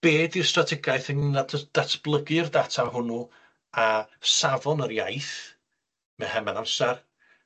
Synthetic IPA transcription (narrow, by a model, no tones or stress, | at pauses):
b̥eːdirstratʰɪɡajθənnatʰəd̥atʰb̥lˠəɡɪrdatʰahʊnu | asavɔnəɾja̰jθ | mɛhɛmɛnamsɛr